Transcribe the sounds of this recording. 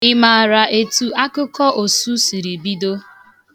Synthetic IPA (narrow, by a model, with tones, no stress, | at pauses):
ɪ˦ma˨a˨ɾa˨ʔe˨tu˨a˦kʊ˦kɔ˦ʔo˨su˦si˨ɾi˨bi˦do˦